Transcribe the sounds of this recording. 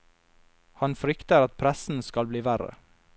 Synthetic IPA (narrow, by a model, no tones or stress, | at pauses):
hɑnfɾʏkt̪əɾɑt̪̚pʰɾæsn̩skɑlbliːʋæɾə̰